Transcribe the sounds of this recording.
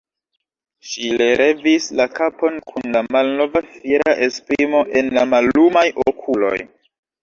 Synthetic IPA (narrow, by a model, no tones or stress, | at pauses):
ʃile̞ɾʔe̞vislakapo̞nkʰunlamalno̞vafiɾaʔe̞spɾimo̞ʔe̞nlamalːumajʔokʰulo̞̰j